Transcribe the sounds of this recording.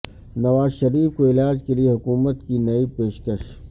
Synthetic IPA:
nɐʋaːzʃɐɾiːfkoɪlaːd͡ʒkelijeɦʊkuːmət̪kinɐipeːʃkəʃ

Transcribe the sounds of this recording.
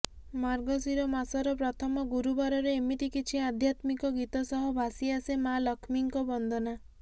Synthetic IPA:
maɾɡɔsiɾɔmasɔɾɔpɾɔt̪ʰɔmɔɡuɾubaɾɔɾeːmit̪ikit͡ʃʰiad̪ʱjat̪mikɔɡit̪ɔsɔɦɔbʱasiasemalɔkʰmiŋkɔbɔnd̪ʱɔna

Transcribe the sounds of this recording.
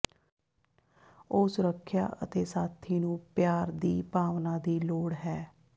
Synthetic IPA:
oːsʊɾəkʰja̰ːʔə̰t̪eːsaːt̪ʰːiːnũːpjaːɾd̪iːpaːʋnãːd̪iːloːɽɦɛː

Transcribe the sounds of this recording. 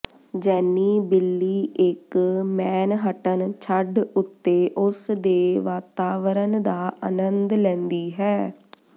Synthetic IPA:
d͡ʒɛːnːiːbɪlːiːʔɪkmɛːnɦəʈənt͡ʃʰəɖʊt̪ːeːʔʊsd̪eːʋaːt̪aːʋəɾənd̪aːʔə̰nənd̪lɛ̃ːnd̪iːɦɛː

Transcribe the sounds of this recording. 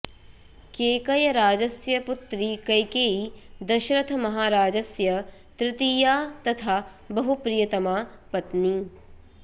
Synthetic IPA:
keːkɐjɐɾaːd͡ʒɐsjɐput̪ɾikɐjkeːid̪ɐʃɾɐt̪ʰɐmɐɦaːɾaːd͡ʒɐsjɐ | t̪ɾɪt̪ijaːt̪ɐt̪ʰaː | bɐɦupɾijɐt̪ɐmaː | pɐt̪ni

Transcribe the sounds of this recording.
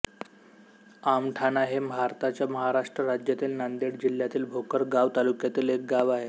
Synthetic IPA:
amʈʰanaɦembʱaɾt̪at͡ɕjaməɦaɾaʂʈɾəɾad͡ʑjat̪iːlnand̪iɽd͡ʑil̤jat̪iːlbʱokəɾɡaʋt̪alukjat̪iːlek̚ɡaʋaɦe

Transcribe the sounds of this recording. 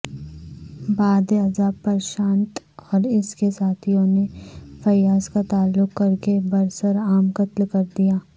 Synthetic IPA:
baːd̪ɐzaːbpːɐɾʃãːnt̪ | ɔːɾɪskesaːt̪ʰijõnefɐjaːskat̪aːlːʊkːɐɾkebɐɾsəɾaːmkɐt̪lkɐɾd̪ijaː

